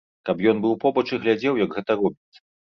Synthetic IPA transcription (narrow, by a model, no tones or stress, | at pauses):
kapjɔnbɨwpɔbɐt͡ʂɨɣlʲad͡zʲɛwjɐɡɣɛt̪ɐɾɔbʲit̪sːɐ̥